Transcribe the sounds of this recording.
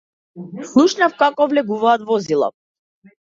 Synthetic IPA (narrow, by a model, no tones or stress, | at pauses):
slˠuʃnafkakɔvlɛɡuvaːt̪vɔzilˠa̰